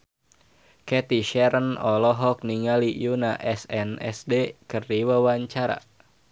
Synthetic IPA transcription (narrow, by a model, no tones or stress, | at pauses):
kɛt̪iʃɛɾənɔlɔɦɔk̚niŋalijuna̰ʔɛsɛnɛ̰sdekərdiwawaɲt͡ʃaɾa̰